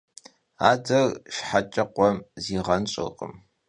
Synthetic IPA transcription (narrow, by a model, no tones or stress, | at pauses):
a̰ːdɐrʃħat͡ʃʼɐqʷɔmziːʁɐnɕʼɨ̰qʼə̰m